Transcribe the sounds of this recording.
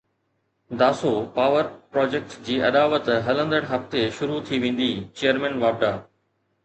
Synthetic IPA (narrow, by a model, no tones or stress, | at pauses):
d̪aːsopaːʋəɾpɾɔːd͡ʑeːk̚ʈd͡ʑiːɐd̪aːʋət̪ɦɐlə̃nd̪əɽ̃ɦɐft̪eʃʊɾut̪ʰiʋẽːn̆d̪iːt͡ɕejəɾmɛ̃ːnʋaːb̚ɖaː